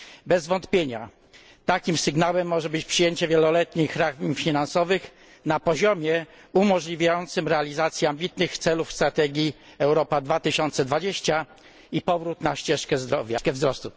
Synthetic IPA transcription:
bɛzvɔnt̪pʲjeɲa̰ | t̪akʲimsɘɡnawɛmːɔʐɛbɘt͡ɕpʂɨjeɲt͡ɕɛvʲjɛlɔlɛt̪ɲixɾaɣmfʲinansɔvɘx | napɔʑɔmʲjɛ | umɔʐlʲivʲajɔnt̪sɘmɾɛalʲizat̪sʲjiambʲit̪nɘxt̪sɛlufst̪ɾat̪ɛɡʲi | ɛwɾɔpad̪vat̪ɘɕɔnt̪sɛd̪vad͡ʑeɕt͡ɕa | ipɔvɾut̪naɕt͡ɕɛʂkɛzd̪ɾɔvʲjakɛvzɾɔst̪u

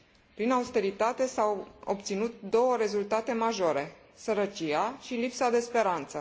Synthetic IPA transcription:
pɾinaust̪e̞ɾit̪at̪e̞sawob̚t̪sinut̪̚d̪o̞wəɾe̞zult̪at̪e̞maʒo̞ɾe̞ | səɾət͡ʃiaʃilipsad̪e̞spe̞ɾant̪sə

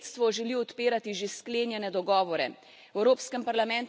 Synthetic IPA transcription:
t̪st̪ʋɔʒɛliɔt̪peːɾat̪iʒeskleːnjɛnɛd̪ɔɡɔːʋɔɾɛ̰ | wɛwɾoːpskɛmpaɾlamɛnt̪

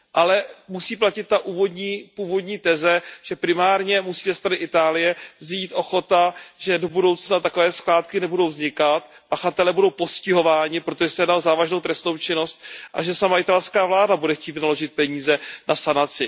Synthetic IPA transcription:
ʔalɛmusiːplacɪt̪̚ːaʔuːvo̞dɲiːpuːvo̞dɲiːt̪ɛzɛʒ̥ɛpɾɪmaːɾɲɛmusiːzɛst̪ɾanɪʔɪt̪aːlɪjɛvziːt̪ʔo̞xo̞t̪aʒɛdo̞budo̞wt͡snat̪ako̞vɛːsklaːt̪kɪnɛbudo̞wvzɲɪkat̪̚ | paxat̪ɛlɛːbudo̞wpo̞scɪɦo̞vaːɲɪpɾo̞t̪oʒɛsɛjdazaːvaʒnowt̪ɾɛst̪no̞wt͡ʃɪno̞st̪̚ʔa̰ʒɛsamaɪt̪alskaːvlaːdabudɛxciːt̪vɪnalo̞ʒɪt̪̚pɛɲiːzɛnʔasanat͡sɪ

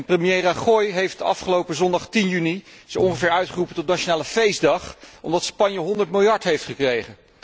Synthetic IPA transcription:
prəmijejraχɔjɦejftɑ̰fχəlowpəzɔndɑχtinjynisɔŋχəvɪːɹœɥtχərupəntɔtnat͡ʃonaːləfejzdɑχɔmdɑtspɑɲjəɦɔndəɹtmɪlˠjɑɹtɦejftχəkrejχən

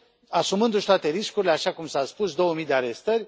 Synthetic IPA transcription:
asumɨnd̪uʃt̪oat̪e̞ɾiskuɾile̞aʃakumsaspusd̪o̞wəmijd̪eaɾe̞st̪ərʲ

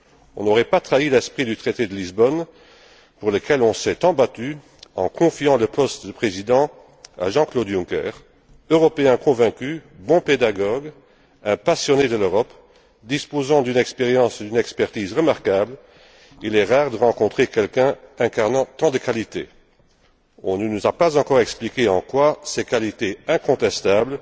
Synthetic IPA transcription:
ɔ̃nɔʁɛpat̪χailɛspχid̪yt̪χet̪ed̪əlizbɔn | puʁləkɛlɔ̃sɛt̪ɑ̃bat̪y | ɑ̰̃kʰɔ̃fjɑ̃ləpɔst̪d̪əpχezid̪ɑ̃ | a̰ʒɑ̃klod̪jũkɛ̰ːʁ | øʁɔpeɛ̃kʰɔ̃vɛ̃kybɔ̃ped̪aɡɔɡ | ɛ̃pasjɔned̪əløʁɔp | d̪ispozɑ̃d̪ynɛkspeʁjɑ̃sud̪ynɛkspɛʁt̪iːzʁəmaʁkabl | ilɛʁaːʁd̪əʁɑ̃kɔ̃t̪χekɛlkɛ̃ɛ̃kaʁnɑ̃t̪ɑ̃d̪əkalit̪ḛ | ɔ̃nənuzapazɑ̃kɔʁɛksplikeɑ̃kwasɛkalit̪eɛ̃kɔ̃t̪ɛst̪abl

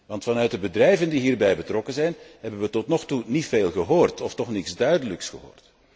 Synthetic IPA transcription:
ʋɑntfɑnœɥt̚dəbədrɛjvəndiɦiːrbɛjbətrɔkənzɛjnɦɛbənʋətɔtnɔxtunitfeːlˠɣəɦoːrtɔftɔχnɪtsdœɥdələksχəɦo̰ːrt

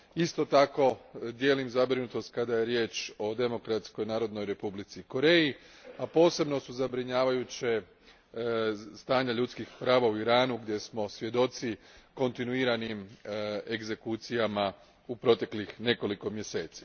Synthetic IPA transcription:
ist̪o̞t̪ako̞d̪je̞ːlimzabɾinut̪o̞st̪̚kad̪aje̞ɾje̞ːt͡ʃo̞d̪e̞mo̞kɾat̪sko̞jnaːɾo̞d̪no̞jɾe̞publit̪siko̞ɾe̞ːji | apo̞ːse̞bno̞suzabɾiɲaːʋajut͡ɕe | st̪aːɲaʎut̪skixpɾaːʋauiɾaːnuɡd̪je̞smo̞sʋje̞d̪o̞t̪siko̞nt̪inuiːɾanime̞ɡze̞kut̪sijama | upɾo̞t̪e̞klixne̞ko̞liko̞mje̞se̞ːt̪si̥

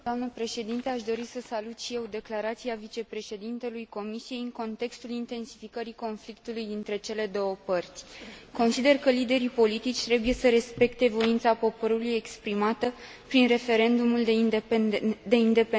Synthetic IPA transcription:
d̪oamnəpɾe̞ʃe̞d̪int̪eaʃd̪o̞ɾisəsalut̪ʃije̞wd̪e̞klaɾat̪siavit͡ʃe̞pɾe̞ʃe̞d̪int̪e̞lujko̞misije̞jɨŋko̞nt̪e̞kst̪ulint̪e̞nsi̥fikəɾiko̞nflik̚t̪ulujd̪int̪ɾe̞t͡ʃe̞le̞d̪o̞wəpərt̪sʲko̞nsid̪e̞rkəlid̪e̞ɾipo̞lit̪it͡ʃʲt̪ɾe̞buje̞səɾe̞spe̞kt̪e̞vo̞int̪sapo̞po̞ɾuluje̞kspɾimat̪ə | pɾinre̞fe̞ɾe̞nd̪umuld̪ | d̪e̞ind̪e̞pe

